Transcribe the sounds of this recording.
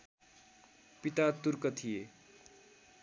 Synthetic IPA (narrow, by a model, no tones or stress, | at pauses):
pit̪at̪urkʌt̪ʰije